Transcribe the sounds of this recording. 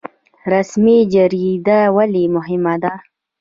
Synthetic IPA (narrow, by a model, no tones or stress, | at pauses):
ɾasmid͡ʒaɾid̪awalimʊɦɪmad̪a